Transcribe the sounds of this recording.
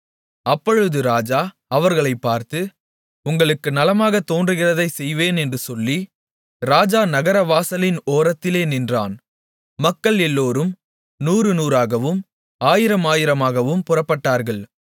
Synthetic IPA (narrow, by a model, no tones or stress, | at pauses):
ɐpːɔɻɯðɯɾaːd͡ʒaː | ɐʋɐɾɣɐɭɐɪpːaːɾt̪ɯ | ʊŋɡɐɭɯkːɯnɐlɐmaːɣɐt̪ːoːndrɯɣɪrɐðɐɪsɛjʋeːnɛndrɯsɔlːi | ɾaːd͡ʒaːnɐɣɐɾɐʋaːsɐlɪnoːɾɐt̪ːɪleːnɪndra̰ːn | mɐkːɐɭɛlːoːɾɯm | nuːɾɯnuːɾaːɣɐʋɯm | aːjɪɾɐmaːjɪɾɐmaːɣɐʋɯmpʊrɐpːɐʈːaːɾɣɐɭ